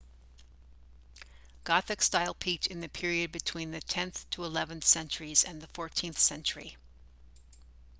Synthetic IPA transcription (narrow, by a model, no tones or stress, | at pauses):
ɡ̥ɑθɨkstaɪlˠpʰit͡ʃɨ̃nðɨpʰɪɹiɨd̚bɨtʰw̥ĩnðɨtʰɛ̃nθtʰəəlɛvɨ̃nθsɛ̃nt͡ʃə˞izɨ̰̃nðəfɔɹtʰĩnθsɛ̃nt͡ʃə˞ḭ